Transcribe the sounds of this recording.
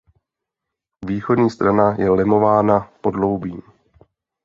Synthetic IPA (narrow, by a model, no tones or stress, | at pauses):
viːxo̞dɲiːst̪ɾanajɛlɪmo̞vaːnapo̞dlo̞wbiːm